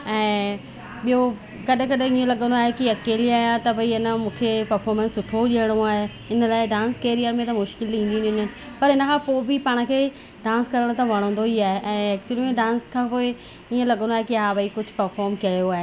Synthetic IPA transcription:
ɛ̃ː | ɓiɦo | kɐɗə̃kɐɗ̃iõlɐɠə̃nd̪aːɦekiɐkeːliaːjãt̪ɐbɐiɪnəmũːkʰepɐɾfɔːɾmə̃nsːʊʈʰoʄiəɽ̃õaːɦe | ɪnəlaːɪɖãːnskeːɾijəɾmẽt̪ɐmʊʃkɪlĩːn̆d̪ĩnɪ̃nənɪ̆ | pɐɾɪnə̆kʰãːpoːɪbɪpaːɽ̃əkʰeː | ɖãːnskɐɾəɽ̃t̪ʰãʋɐɽ̃õːnd̪oɦiaːɦeʔɛ̃ːɛːk̚t͡ɕuəlimẽɖãːnskʰãːpoːɪ | iẽlɐɠə̃nd̪oaːɦekiɦaːʋɐikʊd͡ʑʱʊ̥pɐɾfɔːɾmkɐjoaːɦe

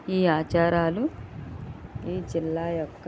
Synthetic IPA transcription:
iːaːt͡ʃaːɾaːlu | iːd͡ʒilːaːjɔkː

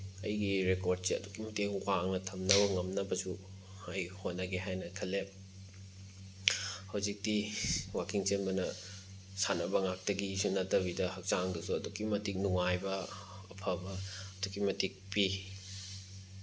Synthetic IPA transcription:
ɐjɡiɾekoɾd̚siɐ̰dukimɐtekwaŋnɐtʰɐmnɐbɐŋɐmnɐbɐsu | hajhojnɐɡeɦajnɐkʰɐle | hɐwzik̚diwakiŋt͡ʃenbɐnɐ | sanɐbɐŋak̚tɐɡiːsunɐtɐβidɐhɐk̚t͡ʃaŋdɐsuɐdukimɐtik̚nuŋajbɐ | ɐpʰɐbɐɐdukimɐtik̚pi

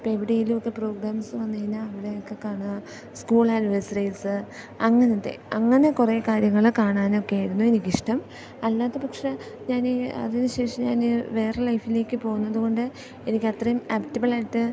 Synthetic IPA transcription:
pːoeʋiɽejilumo̞kːe̞pro̞ːɡɾaːmsɨʋɐnːɐinɨɐʋiɽe̞jokːe̞kaːɳu | skuːɭaːnʋesrɐjsɨ | ɐŋːɐnɐt̪ːe̞̰ɐŋːɐne̞kureːkaːɾjɐŋːɐɭkaːɳaːno̞kːejajɾunːuenikʲːiʂʈɐm | ɐlːaːt̪ːepɐkʂe̞ | ɲaːnɐ̰ðinɨɕe̞ːʂɐmɲaːnʋe̞ːrelɐjfile̞ːkʲːɨpo̞ːɣunːɐðuɣo̞ɳɖɨ | e̞nikʲːɐt̪rɐjumaːptːibɐɭaːjʈːɨ

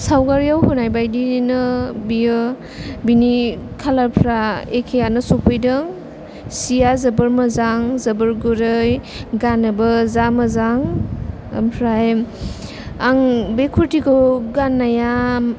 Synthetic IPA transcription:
sawɡaɾijawhunajbajdinɯbijɯ | binikʰalapʰɾaekʰejanɯsɔpʰɯjdɯŋ | sijazəbɯɾmazaŋzɐbɯɾɡuɾɯj | ɡanɯbɯzamazaŋ | a̰mpʰɾaj | aŋbekʰuɾtikowɡanːajam

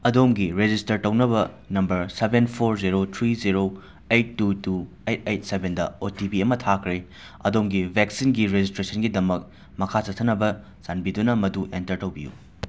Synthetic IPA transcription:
ɐdomɡiɾed͡ʒistɐɾtɐwnɐbɐ | nɐmbɐɾsebenpʰoɾziɾot̪ʰɾiziɾo | ejtːutu | ejt̚ejt̚sebʱendɐ̰otibiɐmɐtʰakʰɾe | ɐ̰domɡibʱeksinɡiɾed͡ʒistɾesɐnɡidɐmɐk̚ | mɐkʰat͡ʃɐtʰɐnɐbɐ | sanbidunɐmɐduʔentɐɾtɐwbijṵ

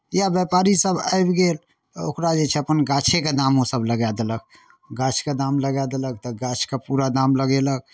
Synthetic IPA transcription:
jabjəpaɾisəbʱa̰jbɡel | o̰kɾad͡ʒet͡ʃʰɛəpənɡat͡ʃʰeked̪amosəbləɡad̪eləɡ̚ | ɡat͡ʃʰked̪amləɡad̪eləɡ̚t̪ɔɡat͡ʃʰkepuɾad̪amləɡelək̚

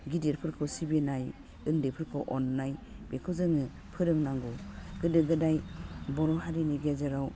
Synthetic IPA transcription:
ɡideɾpʰɯɾkʰɯwsibenaj | ɯndepʰɯɾkʰɯwʔɔnːajbekʰɯzɯŋɯ | pʰɯɾɯŋnaŋɡɔɡɯdɯɡɯdajbɔɾɔɦaɾiniɡezaɾaw

